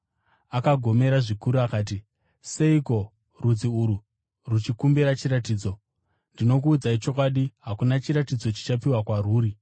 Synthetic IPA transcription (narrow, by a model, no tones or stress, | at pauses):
akaɡʱo̞me̞ɾaʐikuɾuakaːt̬i | se̞iko̞ | rud͡ziuɾu | rut͡ʃikumbiɾat͡ʃiɾatiːd͡zo̞ | ndino̞k̬uːd͡zait͡ʃo̞k̬waɗiɦakunat͡ʃiɾatid͡zo̞t͡ʃi̥t͡ʃapiwakwaruːɾi